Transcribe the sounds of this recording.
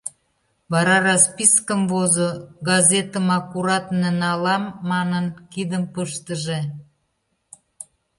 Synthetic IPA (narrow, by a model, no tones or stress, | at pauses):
βɑɾɑrɑspiskəmvozoɡɑzʲet̪əmɑkuɾɑt̪nenɑlɑmːɑnənkid̪əmpəʃt̪əʒe